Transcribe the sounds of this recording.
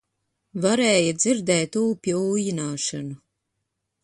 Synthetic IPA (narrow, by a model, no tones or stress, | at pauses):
vaɾɛːjad̪ziɾd̪ɛːt̪uːpʲiuːjinaːʃanu